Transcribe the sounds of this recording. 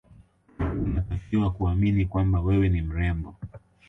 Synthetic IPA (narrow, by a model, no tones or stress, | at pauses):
unatafiwakuaminikwambawɛwɛnim̩ɾɛmbɔ